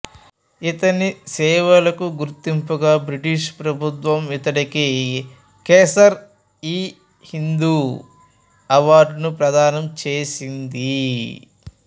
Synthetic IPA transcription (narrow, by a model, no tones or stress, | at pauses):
it̪ɐnisɛːʋɐlɐkuɡuɾt̪impuɡaːbɾiʈiʃpɾɐbʱut̪ʋɐmit̪ɐɽiki | keːsɐɾ | iː | hind̪uː | ɐʋaːɾɖnupɾɐd̪ʱaːnɐmt͡ʃeːsind̪i